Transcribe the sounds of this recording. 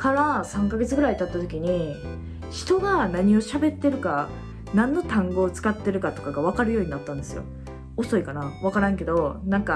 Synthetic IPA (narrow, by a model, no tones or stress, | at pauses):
kaɾasãŋkaɡe̞t͡sɨɡɯ̟ɾait̪at̪ːat̪o̞kʲiɲ̟i | çi̥t̪o̞ɡanaɲ̟io̞ɕabe̞t̪ːe̞ɾɯ̟ka | nãnːo̞t̪ãŋɡo̞ːt͡sɨ̥kat̪ːe̞ɾɯ̟kat̪o̞kaɡaβ̞akaɾɯ̟jo̞ːɲ̟inat̪ːãnd̪e̞sɨjo̰ | oso̞ikanaβ̞akaɾãŋke̞d̪o̞nãŋka